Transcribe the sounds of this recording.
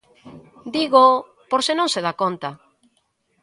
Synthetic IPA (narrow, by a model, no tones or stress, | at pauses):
d̪iɣo | poɾsenõŋseðakont̪ɐ